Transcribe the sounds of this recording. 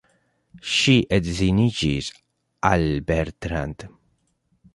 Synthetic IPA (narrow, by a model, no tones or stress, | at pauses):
ʃiʔed̪zinid͡ʒiz | albɛɾt̪ɾand̪